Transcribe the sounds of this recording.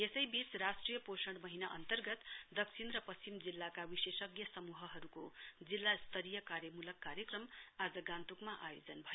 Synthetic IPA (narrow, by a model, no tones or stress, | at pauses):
jesʌjbit͡srasʈrijʌposʌɽmʌɦinaʔʌ̰nt̪ʌrɡʌt̪d̪ʌksʰinɾʌpʌst͡simd͡zilːakawisesʌɡjʌsʌmuɦʌɦʌɾukod͡zilːast̪ʌɾijʌkaɾjʌmulʌkːaɾjʌkrʌmad͡zʌɡãnt̪ukmaʔajod͡zʌnbʱʌjo